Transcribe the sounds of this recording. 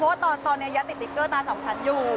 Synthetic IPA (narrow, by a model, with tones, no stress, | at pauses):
ɔ˦˥wa˥˩t̪ɔː˧nt̪ɔː˧nːi˦˥˧ja˦˥t̪i˨˩t̪ːi˨˩kːɤː˥˩t̪aː˧sɔ˨˩˦ŋt͡ɕʰa˦˥njuː˨˩